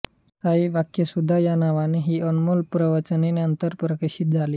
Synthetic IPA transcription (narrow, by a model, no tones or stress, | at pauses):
saɦiːʋakjesud̪ʱːajanaʋaneɦiːʔənmulpɾəʋət͡səneneənt̪əɾpɾəkeɕit̪̚d͡zʱaliː